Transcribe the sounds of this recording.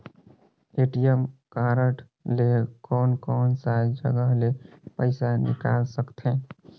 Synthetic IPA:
eʈijəmkaɾəʈ | lekɔːnkɔːnsad͡ʒd͡ʒə̰ɡəɦlepəɪsanɪ̰kaːlsəkt̪ʰɛ̃

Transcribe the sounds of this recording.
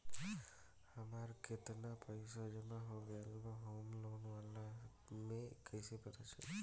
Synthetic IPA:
amaɾket̪napɔjsɔd͡ʒemaɦoɡelbaɦomlonʋala | mekʰəjsepət̪ʰat͡ʃʰḛ

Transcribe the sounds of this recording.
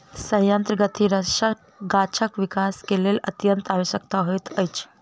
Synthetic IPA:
sə̃ɦjənt̪ɾəɡət̪ʰiɾəʃə | ɡat͡ʃʰəkʋikaskelelə̰t̪jənt̪aʋisəkt̪aɦojt̪əjt͡ʃʰ

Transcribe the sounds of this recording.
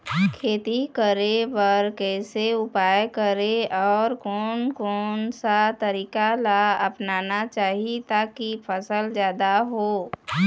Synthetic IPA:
kʰeːt̪ikəɾepəɾkɛːseʊpaːjkəɾeɔːɾkɔːnkɔːnsat̪əɾiːkalaɐpnaːnat͡ʃaːɦit̪aːkipʰəsəlzjaːd̪aɦoː

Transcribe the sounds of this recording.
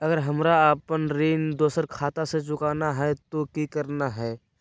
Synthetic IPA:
ɐɡəɾɦəmɾaːpənɾiːnd̪oːsəɾkʰaːt̪aset͡ʃʊkaːnaɦɛt̪okikəɾnaɦɛː

